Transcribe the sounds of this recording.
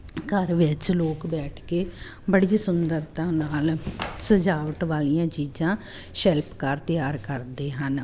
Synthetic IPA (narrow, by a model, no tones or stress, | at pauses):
kəɾʋɪt͡ʃloːkbɛːʈʰkeː | bəɽisʊnd̪əɾt̪ãːnaːlsəd͡ʒaːʋəʈʋaːlijãːt͡ʃiːd͡ʒãː | ʃɛlpkaːɾt̪əjaːɾkəɾd̪eːɦən